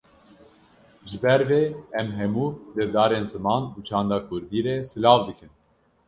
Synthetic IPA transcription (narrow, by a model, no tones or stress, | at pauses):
ʒɨbɛɾveːɛmɦɛmuːlɛd̪ɑːɾeːnzɨmɑːnuːt͡ʃʰɑːnd̪ɑːkʰʊɾd̪iːɾɛsɨlɑːvd̪ɨkʰɨn